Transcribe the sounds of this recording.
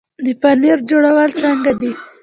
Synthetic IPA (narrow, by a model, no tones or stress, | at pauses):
d̪əpaniɾd͡ʒoɽawəlt͡səŋɡad̪i